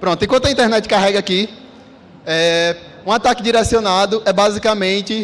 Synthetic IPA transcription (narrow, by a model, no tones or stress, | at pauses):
pɾõt̪ʊẽkwɐ̃t̪ɐĩt̪ɛɾnɛt͡ʃɪ̥kaɦɛɡɐaki | ɛ | ũat̪akɪd͡ʒiɾɛsionad̪ʊʔɛbazikɐmẽt͡ʃɪ